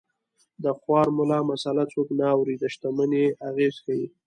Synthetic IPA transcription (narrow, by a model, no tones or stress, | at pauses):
d̪əxwɑɾmʊlɑmasalat͡soknaːwɾid̪əʃt̪aməneaɣezkawi